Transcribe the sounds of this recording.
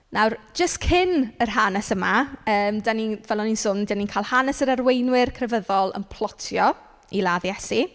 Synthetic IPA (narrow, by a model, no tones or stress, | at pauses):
nʔawrd͡ʒəstkʰɪnərɦanɛsəmaəːmdaninvɛlˠɔninsʊndaninkʰaːlˠhanɛsəɾarwejnwɪrkʰrɛvəðɔlˠə̰npʰlˠɔtʰjɔ | ilˠaːðjɛsi